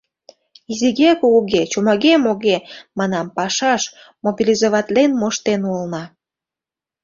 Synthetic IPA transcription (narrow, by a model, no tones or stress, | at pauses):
iziɣekouɣet͡ɕomɑɣemoɣemɑnɑmpɑʃɑʃ | mobilizoβɑt̪lenmoʃt̪enulnɑ